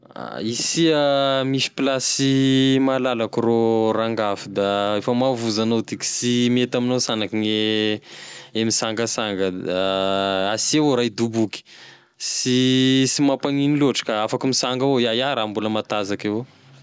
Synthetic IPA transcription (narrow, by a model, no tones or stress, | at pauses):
a̰isiamisi̥plasimalalakuroraŋɡafid̪aefəmavuzanot̪iki̥simet̪aminosanakine | emisaŋɡəsaŋɡədaasieoɾajd̪ubuki̥ | sisimapaŋiniluʈ͡ʂə̥kaafakimisaŋɡaojajaɾambuləmat̪azakeo